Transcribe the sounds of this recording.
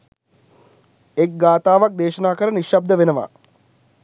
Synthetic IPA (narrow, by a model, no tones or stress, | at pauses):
ek̚ɡaːt̪aːʋak̚d̪eːʃənaːkəɾəniʃab̚d̪əʋenəʋa̰